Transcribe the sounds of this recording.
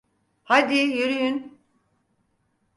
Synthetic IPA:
had̪ijøɾyjyn

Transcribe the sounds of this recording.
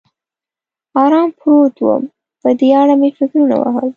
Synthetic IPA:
ɑɾɑmpɾot̪wə̰m | pəd̪eaɽamefɪkɾuna̰wa̰ɦə̰l

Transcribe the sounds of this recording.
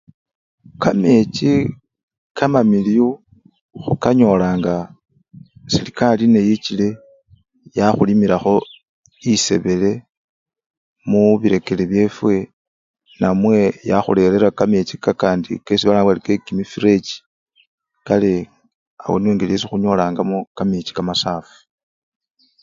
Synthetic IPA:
kame̞t͡ʃi | kʰamamiliu | xukaɲo̞laːŋɡa | silikalinejit͡ʃile̞ | jaxulimiɾaxo̞ | ise̞̰βe̞le̞ | muβiɾe̞ke̞leβje̞fwe̞ | namwe̞jaxṵle̞ɾe̞ɾakamet͡ʃikakaːndḭkesiβalawalike̞kimifiɾe̞t͡ʃi̥ | kale̞ | a̰wo̰niweːŋɡelijesixuɲo̞laːŋɡamokamet͡ʃi̥kamasaːfu̥

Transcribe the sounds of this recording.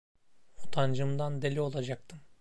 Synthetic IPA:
ot̪ʰand͡ʒɯmd̪and̪elʲio̞lˠad͡ʒak̚t̪ʰɯm

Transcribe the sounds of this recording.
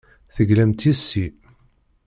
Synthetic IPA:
θəɡlæmt̪isːi

